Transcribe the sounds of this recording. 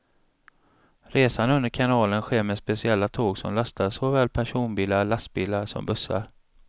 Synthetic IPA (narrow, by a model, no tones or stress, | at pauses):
ɾeːsanɵnd̪əɾkʰanɑːlənɧeːɾmɛspɛsɪɛlːat̪ʰoːɡsɔ̰mlast̪ʰasɔvɛːlpʰæʂuːnbiːlalast̪̚biːlaɾʂɔ̰mbɵsːa̰ɾ